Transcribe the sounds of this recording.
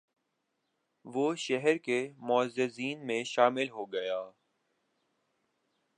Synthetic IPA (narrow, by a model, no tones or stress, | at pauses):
ʋoʃɛɦɛɾkemɔzɪziːnmẽʃaːmɪlɦoɡɐjaː